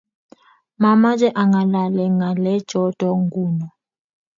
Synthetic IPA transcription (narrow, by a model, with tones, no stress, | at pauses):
ma˨ma˦d͡ʒʱʼɛ˦ʔa˨ŋɡa˨la˨lɛ˨ŋa˨lɛ˦d̥ʒ̥ʱɔ˦d̥ʱɔ˨ŋɡuː˦nɔ˨